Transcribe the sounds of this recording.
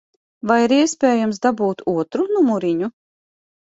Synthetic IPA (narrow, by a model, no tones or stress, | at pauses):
vajiɾiɛspʲɛːjamsd̪abuːt̪uɔt̪ɾunumuɾiɲu